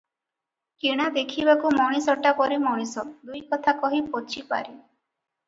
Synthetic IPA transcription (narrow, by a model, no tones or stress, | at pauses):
kiɽ̃ad̪ekʰibakumɔɽ̃isɔʈakɔɾimɔɽ̃isɔd̪ujkɔt̪ʰakɔɦipot͡ʃʰipa̰ɾi